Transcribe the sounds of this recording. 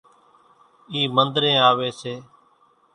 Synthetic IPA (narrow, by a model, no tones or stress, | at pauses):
iːmənd̪ɾẽːaːʋeːseː